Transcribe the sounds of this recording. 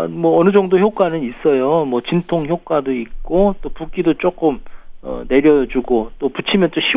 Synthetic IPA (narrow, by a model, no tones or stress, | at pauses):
mwʌʌnɯd͡ʑʌŋdoçjok͈wanɯnis͈ʌjomwʌt͡ɕintʰoŋçjok͈wadoik̚k͈ot͈opuk͈idot͡ɕ͈ok͈ɯmʌ̰ne̞ɾjʌd͡ʑuɡot͈oput͡ɕʰimjʌnt͡ɕ͈oɕʰi